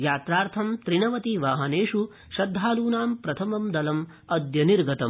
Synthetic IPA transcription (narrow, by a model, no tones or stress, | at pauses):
jaːt̪ɾaːɾt̪ʰɐmt̪ɾinɐʋɐt̪iʋaːɦɐneːʂu | ʃɐd̪ʱːaːluːnaːmpɾɐt̪ʰɐmɐmd̪ɐlɐm | ɐd̪jɐniɾɡɐt̪ɐm